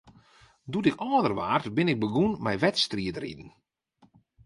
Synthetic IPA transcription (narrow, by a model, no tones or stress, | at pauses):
dutɪkɔːdərʋa̰ːrtbɪnɪk̚bəɡunmɛjʋɛtstriətrḭdn̩